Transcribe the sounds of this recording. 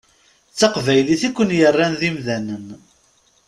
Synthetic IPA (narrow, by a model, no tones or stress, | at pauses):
t͡sːɑqvæjliθikʷːənjərˤːænðimðænən